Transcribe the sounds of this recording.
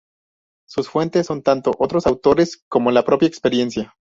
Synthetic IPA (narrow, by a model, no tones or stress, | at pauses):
susfwe̞nt̪e̞sːo̞nt̪ant̪o̞ʔo̞t̪ɾo̞sawt̪o̞ɾesko̞mo̞lapɾo̞pjaekspe̞ɾje̞nsja